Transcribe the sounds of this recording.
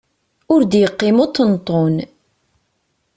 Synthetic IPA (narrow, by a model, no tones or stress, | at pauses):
ʊɾd̪jəqːɪmot̪ˤːənt̪ˤːon